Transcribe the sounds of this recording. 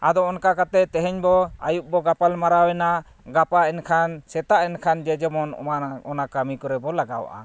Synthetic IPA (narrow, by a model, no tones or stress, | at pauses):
ad̪ɔɔnkakat̪ɛt̪ɛɦɛɲbɔa̰juʔ̚bɔɡapalmaɾawɛna | ɡapaʔɛnkʰansɛt̪aʔɛnkʰand͡ʒɛd͡ʒɛmɔn̰aɔnakamikɔɾɛbɔlaɡa̰wʔa̰